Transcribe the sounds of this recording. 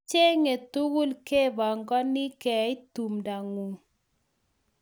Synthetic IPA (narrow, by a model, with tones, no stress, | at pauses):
t͡ʃe˦ŋe˨tu˦ɣu˦lke˦ba˨ŋɡɔ˦ni˦kɛ˨i˦tu˨mda˨ŋu˨